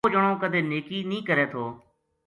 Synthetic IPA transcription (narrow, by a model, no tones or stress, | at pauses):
d͡ʒəɳ̃õːkəd̪ʱeːneːkiːnĩːkəɾeːt̪ʰoː